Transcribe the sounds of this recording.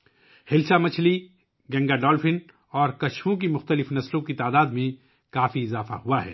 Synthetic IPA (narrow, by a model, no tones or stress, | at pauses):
hɪlsamɐt͡ʃʰli | ɡɛ̃ːŋɡaɖɔːlfɪn | ɔːɾkɐʃwõk̬imʊxt̪əlɪfnɐslõkit̪aːd̪aːd̪mẽ | kaːfiɪzaːfa̰huaɦɛ̰ː